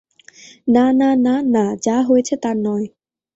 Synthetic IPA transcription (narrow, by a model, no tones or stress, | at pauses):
naːnaːnaːnaːt͡ɕaːɦojt͡ɕʰɛt̪anːɔj